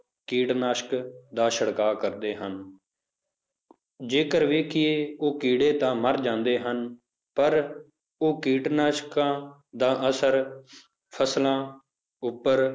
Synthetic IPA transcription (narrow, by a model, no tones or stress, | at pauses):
kiːʈnaːʃkd̪aːʃəɽkaːkəɾd̪eːɦən | d͡ʒeːkəɾʋeːkʰɪjeːoːkiːɽeːt̪ãːməɾd͡ʒãːnd̪eːɦən | pəɾ | oːkiːʈnaːʃkãːd̪aːʔəsəɾ | pʰəslãː | ʊpːəɾ